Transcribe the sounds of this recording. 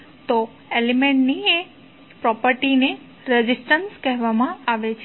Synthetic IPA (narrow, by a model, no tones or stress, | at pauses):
t̪o | elimẽɳʈnie | pɾɔpəɾʈine | ɾəd͡ʒisʈənskəɦʋamãaʋet͡ʃʰ